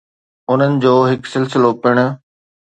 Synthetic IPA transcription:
ʊn̤ənɪ̆d͡ʑoːɦɪksɪlsɪlopɪɽ̃ʊ̆

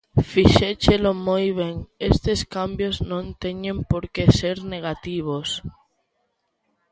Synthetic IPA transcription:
fiʃet͡ʃelomojβ̞eŋest̪eskambjoznõnt̪eɲẽmpoɾkeseɾneɣ̞at̪iβ̞os

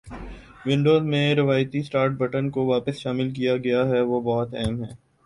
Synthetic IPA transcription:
ʋɪ̃ɳɖoːzmẽɾɪʋaːjt̪isʈaːɾʈ̚bɐʈənkoʋaːpəsʃaːmɪlk̬ijaɡɐjaɦɛʋobɔːʊt̪ɛɦmɦɛː

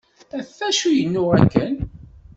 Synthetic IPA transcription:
æθːæʃujənːʊʁæ̰kːən

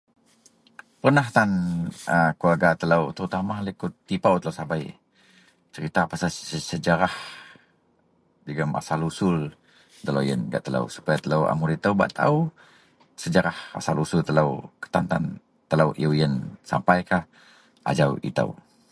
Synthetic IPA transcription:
pərnaht̪anəkuarɡat̪ələwt̪əɾut̪amalikʊt̪ːipawt̪əlawsabaj | t͡ʃəɾit̪apasaəsəd͡ʒaɾah | d͡ʒəɡama̰salusʊl | t̪əlojə̰nɡa̰ʔt̪əla̰wsu̥pajat̪ələwa̰muɾit̪əwba̰ʔt̪ʰa̰u | səd͡ʒəɾaha̰salusʊlt̪əlawkə̥t̪ant̪an | t̪əlawʔiuwjənsa̰mpajkah | ʔa̰d͡ʒawḭt̪ə̰w

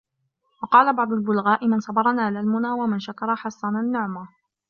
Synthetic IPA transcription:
wɑqɑːlabɑʕd̪ˤʊlbʊlɣaːʔɪmɪnsˤɑbɑɾˤɑnaːlalmʊnaːwamɪnʃakɑɾˤɑħɑsˤːɑnanːʊʕma

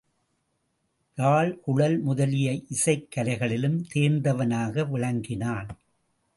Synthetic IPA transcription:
taːɭʔʊɻɐlmʊðɐlɪjɐɪʔɪsɐɪkːɐlɐɪɣɐɭɪlɯmt̪eːɾnd̪ɐʋɐnaːɣɐʋɪɻɐŋɡɪnaːn

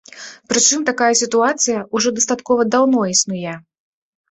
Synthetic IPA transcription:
pɾɨt͡ʂɨmt̪akajɐsʲit̪uat̪sɨjɐʔuʐɔd̪ɐst̪at̪kɔvɐd̪awnɔisnujɛ

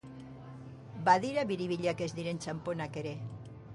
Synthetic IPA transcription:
baðiɾaβiɾiβiʎakezd̪iɾent͡ʃamponakeɾe

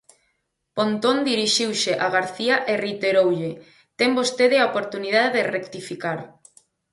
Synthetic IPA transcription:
pont̪ond̪iɾiʃiwʃeʔaɣaɾθiaʔerit̪eɾowʎe | t̪ɛmbost̪eðɪaopoɾt̪unið̞aðeðɪrekt̪ifikaɾ

